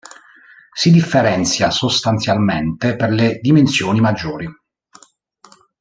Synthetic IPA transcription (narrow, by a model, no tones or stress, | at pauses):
sid̪ifːeɾɛnt̪sjasost̪ant̪sjalment̪eperled̪imensjoːnimad͡ʒːoːɾi